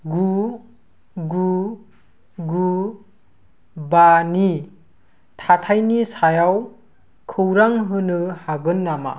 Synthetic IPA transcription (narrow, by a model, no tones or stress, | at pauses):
ɡu | ɡu | ɡu | bani | tʰatʰajnisajaw | kʰɯwɾaŋɦɯnɯhaɡɯnːama̰